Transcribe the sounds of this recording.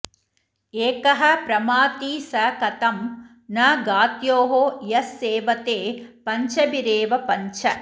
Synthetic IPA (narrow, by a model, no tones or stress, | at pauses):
eːkɐɦɐ̆pɾɐmaːt̪iːsɐkɐt̪ɐm | nɐɡaːt̪joːɦojɐsːeːʋɐt̪eːpɐɲt͡ʃɐbiɾeːʋɐpɐɲt͡ʃʰɐ